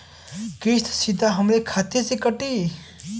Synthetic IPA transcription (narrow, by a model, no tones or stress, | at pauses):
kist̪ʰsid̪ʱaɦəmɾekʰat̪esekəʈi